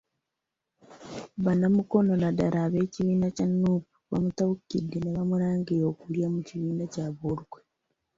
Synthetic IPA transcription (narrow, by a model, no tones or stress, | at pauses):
βanamuko̞no̞nadaɾaβe̞ːciβiːnacanuːpu̥βa̰mutaukidːenaβamuɾaːŋɡiɾoːkuljamuciβiːnacaβoɾuɡwe